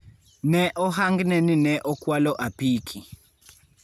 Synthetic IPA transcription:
nɛʔɔɦaŋɡnɛninɛʔɔkwalɔʔapiːkʰi

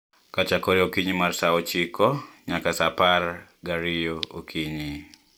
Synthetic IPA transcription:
kat͡ʃakɔɾiokiɲimarsaɔt͡ʃikɔɲakasaparɡaɾijookʰiɲi

